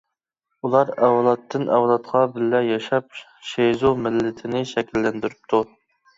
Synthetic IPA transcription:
ulˠɑɾɛwlˠɑt̪ʰːɨnʔɛwlˠɑt̪qʰɑbɪlːɛjɑʃɑp̚ | ʃezumɪlːɪt̪ʰɪnɪʃɛkʲilːɛnd̪yɾyp̚t̪ʰu

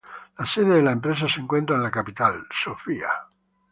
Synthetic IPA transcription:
laseðeðelaempɾes̬aseŋkwe̞nt̪ɾaenlakapit̪alsofia̰

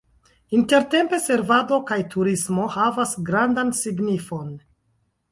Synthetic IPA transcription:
inte̞ɾte̞mpe̞se̞ɾvado̞kajtʰuɾismo̞havasɡɾandansiɡnifo̞n

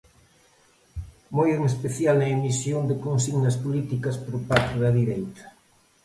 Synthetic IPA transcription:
mojeŋespeθjalnɐemisjond̪ekonsiɣnɐspolit̪ikɐspɾopaɾt̪ʊðɐðiɾejt̪ɐ̥

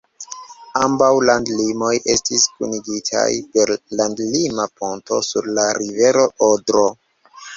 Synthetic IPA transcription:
ambawlandlimo̞jʔe̞stiskṵniɡitʰa̰jpe̞ɾlandlimaponto̞suɾlaɾive̞ɾo̞ʔodɾo̞

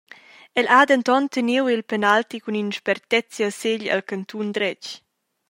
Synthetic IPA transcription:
ɛlad̪ənt̪ɔnt̪əniwilpɛnalt̪ikuninʃpɛrt̪ɛt͡sjaseʎa̰lkant̪und̪ɾɛc

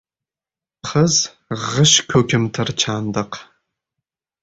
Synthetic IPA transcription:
χəz | ʁəʃkʲʰoɡʲɪmtʰɐrt͡ʃʰaːndɐq

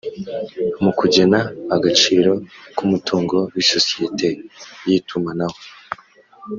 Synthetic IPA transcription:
mukuɟe̞naːɡat͡ʃiːɾo̞kumutʰuːŋɡo̞wiso̞si̥je̞tʰe̞jitʰumanaho

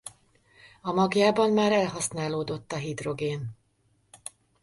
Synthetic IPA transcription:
ɒmɒɡjaːbɒmːaːɾɛlɦɒsnaːloːd̪o̞t̪ːɒɦid̪ro̞ɡeːn

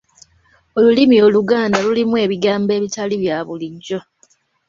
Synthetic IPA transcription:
olulimio̞luɡaːndalulimue̞ːβiɡaːmbe̞ːβitaliβjaːβuliɟo

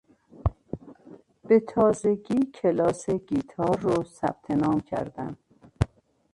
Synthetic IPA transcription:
b̥e̞t̪ʰɒːzeɡiːcʰelɒːseɡiːt̪ʰɒːɾːosæ̰b̥̚t̪ʰenɒːmcʰæ̰ɾd̪æn

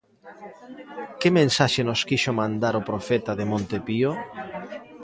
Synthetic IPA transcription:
kɪmẽnsaʃenoskiʃomãnd̪aɾopɾofɛt̪aðemõnt̪epio

